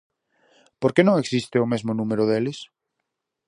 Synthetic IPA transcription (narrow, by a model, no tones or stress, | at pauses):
poɾkenõŋeksist̪ɪʊmezmonũmeɾoðelɪs